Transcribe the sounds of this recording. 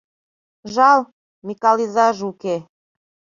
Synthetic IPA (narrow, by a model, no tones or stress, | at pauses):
ʒɑlˠ | mikɑlizɑʒuke